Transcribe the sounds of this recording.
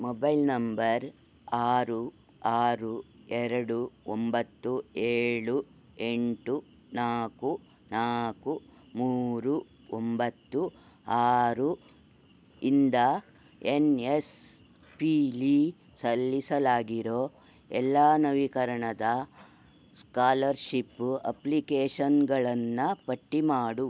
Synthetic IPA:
mɔbɐjlnɐmbɐɾ | aːɾu | aːɾuɛɾɐɽuombɐt̪ːueːɭu | eɳʈu | naːku | naːku | muːɾu | ombɐt̪ːu | aːɾu | ind̪ɐ | enes | piliː | sɐlːisɐlaːɡiɾoː | ɛ̰lːaːnɐʋikɐɾɐɳɐd̪ɐ | skaːlɐɾʃipːɐ̰plikeːʂɐnɡɐɭɐnːɐpɐʈːimaːɽu

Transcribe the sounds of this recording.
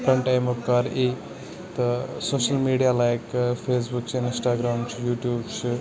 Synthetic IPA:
kɐɳʈajmokkaɾe | t̪ɐsoːʃɐlmiːɖijalaːjkfʰeːs̬buk̚t͡ʃʰɪnsʈaːɡɾaːmt͡ʃʰijuːʈjuːbt͡ʃʰi

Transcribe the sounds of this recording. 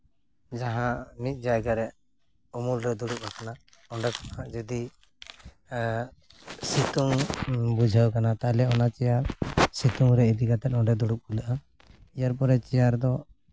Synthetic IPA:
d͡ʒaɦãmit̪̚ˀd͡ʒajɡaɾɛʔ | umulɾɛd̪uɽup̚akana | ɔɳɖɛkɔ̥nad͡ʒɛd̪i | sit̪uŋbud͡ʒʱəwkanat̪alɛɔnat͡ʃɛjaɾsit̪uŋɾɛid̪iɡat̪ɛt̪̚ɔɳɖɛd̪uɽup̚uləʔa | ijaɾpɔɾɛt͡ʃɛjaɾd̪ɔ

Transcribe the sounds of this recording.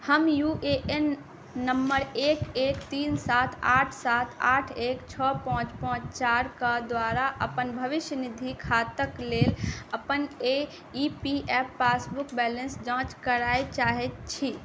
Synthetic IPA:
həmjuːʔeʔen | nəmbəɾeːkeːkt̪iːnsaːt̪ʰaːʈʰsaːt̪ʰaːʈʰeːkt͡ʃʰɔpãːt͡ʃpãːt͡ʃt͡ʃaːɾkad̪waːɾaʔəpənbʱəʋɪʃjənɪd̪ʱikʰaːt̪əkleːləpəne | ipiʔɛːpːaːsbʊkbɛːlə̃nsd͡ʒãːt͡ʃkəɾaːet͡ʃaːɦet̪t͡ʃʰi

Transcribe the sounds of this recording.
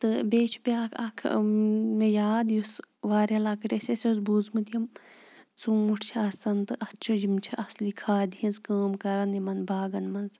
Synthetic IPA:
t̪ɨbeːt͡ʃʰu̥bʲaːkʰɐkʰmejaːd̪jusʋaːɾʲɐlaːkɨʈʲesesjosbuzmɨd̪ijɐmt͡sumuʈʰt͡ʃʰɐːsɐnt̪ɨʔɐst͡ʃʰud͡ʒimt͡ʃʰiʔɐslikʰaːd̪ijinzkəːmkɐɾɐnimɐnbaːɡɐnmɐnz

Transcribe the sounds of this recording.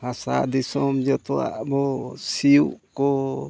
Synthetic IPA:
hasa̰d̪isɔmd͡ʒɔt̪ɔwa̰ʔbɔsijuʔkɔ

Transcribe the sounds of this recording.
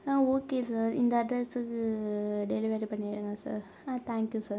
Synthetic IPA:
aoːkeːsɐɾḭnd̪ɐɐɖɾesɨk | ɖeliʋeːʈpɐɳːiɽuŋɡɐsɐ̰ɾ | at̪ʰaːŋkjusɐɾ

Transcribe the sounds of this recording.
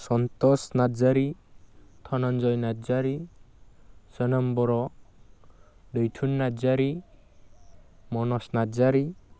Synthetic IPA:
sɔnt̪ɔsnazaɾi | t̪ʰɔnɔnd͡ʒɔjnazaɾi | sənəmbɔɾɔ | ɖejtʰunːazaɾi | mɔnɔsnazaɾi

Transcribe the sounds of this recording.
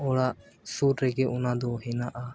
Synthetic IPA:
ɔɽaʔ | suɾɾɛɡɛʔɔnad̪ɔɦɛnaʔa

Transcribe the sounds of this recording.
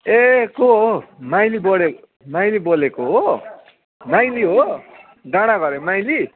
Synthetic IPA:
ekoɦomajliboɽe | majlibolekoɦo | majliɦo | daɽ̃aɡʌɾemajli

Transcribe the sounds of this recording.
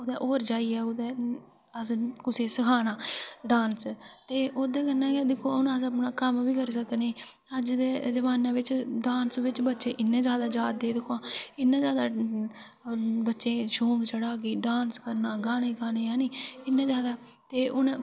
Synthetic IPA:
od̪ɛ̃ːʔoːɾd͡ʒaːiːɛːoːd̪eː | əskʊseːsəkʰaːnaːɖaːnst̪eːʔoːd̪ẽːkənːãːɡeːd̪ɪkʰoʊnãːsəpnãːkəmʋiːkəɾsəkneː | əd͡ʒd̪eːd͡ʒəʋaːnãːʋɪt͡ʃɖaːnsʋɪt͡ʃbətːʃẽːʔɪnːẽːd͡ʒaːd̪aːd͡ʒaːd̪eːd̪ɪkʰoãːɪnːãːzjaːd̪aː | bətːʃẽːʃõːŋɡt͡ʃəɽaːɡiːɖaːnskəɾnaːɡaːnẽːɡaːneːjãːniːɪnːẽːzaːd̪aː | t̪eːʔʊn

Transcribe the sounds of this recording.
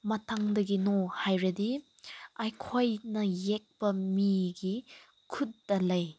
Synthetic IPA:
mɐtʰaŋdɐɡinohajɾɐdi | ajkʰojnɐjek̚pɐmiɡi | kʰutːɐlɐj

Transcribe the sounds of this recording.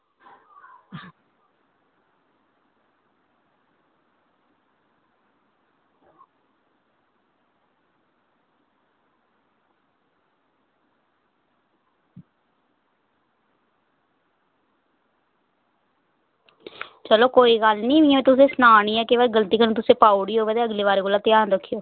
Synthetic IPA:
t͡ʃəloːkoːiːɡəlnĩːʋiːɛʋeːt̪ʊsẽːsnaːɳiːɛːkeʋɛɡəlt̪iːkənũːt̪ʊsẽːpaːuɽiːɦoːʋeːd̪eəɡleːʋaːɾeːkoːlaːt̪jaːnɾəkʰːijoː

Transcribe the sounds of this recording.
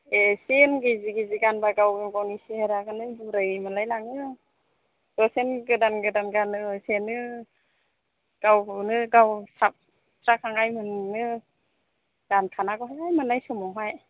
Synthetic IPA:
esenɡeziɡeziɡanbaɡawɡimɡawniseheɾaɡɯnɯbuɾɯjmanlajlaŋɯ | dɔsenɡɯdanɡɯdanɡanɯsenɯ | ɡ̥awnɯɡawsap̚ | tʰɾakʰaŋajmɯnːɯ | ɡ̥ankʰanaɡɔɦajajmanlajsɯmɔɦaj

